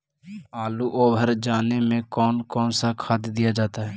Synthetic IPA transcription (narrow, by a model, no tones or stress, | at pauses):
aːluːʔoːbʱəɾd͡ʒaːneːmẽːkɔːnkɔːnsakʰaːd̪d̪ɪjaːd͡ʒaːt̪aːɦɛː